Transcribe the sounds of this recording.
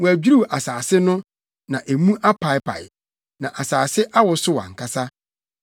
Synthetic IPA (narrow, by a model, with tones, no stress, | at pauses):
wæ˨d͡ʑᶣi˦ɾu˦˨ʔa˨saː˨sɪ˦nʊ̃˦ | nã˨ʔæ˨mũ˦ʔa˦pʰa˨ɪ˦pʰa̰˨j | nã˨ʔa˨saː˨sɪ˦ʔa˦wɔ˨sʊ˦wa̰˨ŋ̩˨kʰa˨sa˦